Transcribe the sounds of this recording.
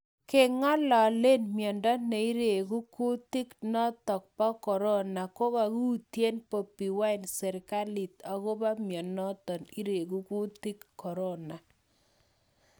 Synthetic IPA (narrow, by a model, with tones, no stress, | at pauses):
ke˦ŋɔ˦lɔ˨le˦nmjɔ˨ndɔ˦ne˨i˦ɾe˨ku˦ku˦ti˦knɔ˦t̪ɔ˨k̚pɔ˦kɔ˨ɾɔ˦na˨ko˦ka˨ku˦tje˦npo˨pi˨wa˦i˨nsɛ˨ɾka˦li˨t̪a˨ko˦ba˦mjɔ˨nɔ˦tɔ˨ni˦ɾe˨k̬u˦ku˦ti˦kːɔ˨ɾɔ˦na˨